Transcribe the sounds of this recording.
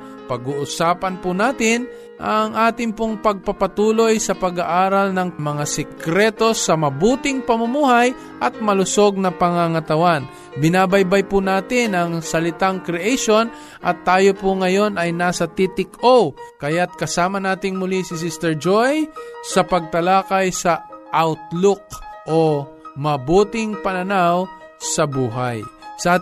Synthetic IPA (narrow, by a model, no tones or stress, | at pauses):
pɐɡuʔʊsaːpɐnpʊnaːt̪ɪn | ʔɐŋʔaːt̪ɪŋpoŋpɐɡ̚pɐpɐt̪uːlojsɐpɐɡaʔaːɾalnɐŋmɐŋasɛkɾɛt̪o̞sɐmɐbuːt̪ɪŋpɐmʊmuːhaj | ʔɐt̪̚mɐlʊso̞ɡ̚nɐpɐŋaŋɐt̪ɐwan | bɪnaːbajbajpʊnaːt̪ɪnɐŋsɐlɪt̪aŋkɾɛʔɛjʃo̞n | ʔɐt̪ːaːjopʊŋɐjo̞nɐjnaːsɐt̪it̪ɪkowkɐjat̪̚kɐsaːmɐnaːt̪ɪŋmʊlisɪs̬ɪst̪ɛɹd͡ʒojsɐpɐɡ̚t̪ɐlaːkajsɐʔawt̪̚lok̚ʔomɐbuːt̪ɪŋpɐnɐnaw | sɐbuːɦa̰jsa